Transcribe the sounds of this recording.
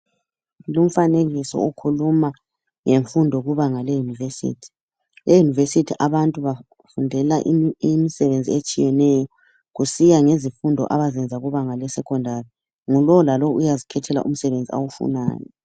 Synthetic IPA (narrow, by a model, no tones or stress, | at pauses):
lum̩faneɣisɔ̰ukʰuluma | ŋeɱfundʱɔɣuβaŋalɛjunivesḭːtʰi̥ | lejunivesitʰiʔaβantʼuβa | fundʱɛlaʔimisɛβend͡zʱiet͡ʃʼijɛnɛjɔ | ɣusijaŋezifundʱɔ̰ʔaβazɛnd͡zʱaɣuβaŋalɛsɛkʰɔndʱari | ŋulɔlalɔujazikʰɛtʰɛla̰ʔum̩sɛβend͡zʱia̰wufṵna̰ːjɔ̰